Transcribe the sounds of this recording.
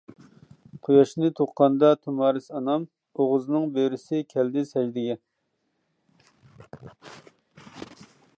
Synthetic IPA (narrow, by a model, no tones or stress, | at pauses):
qʰojɑʃnɨt̪ʰoqːɑnd̪ɑt̪ʰumɑːɾɨsɑnɑm | oʁʊznɨŋbøɾɪsɪkʲʰɛld̪ɪsɛjd̪ɪɡʲɛ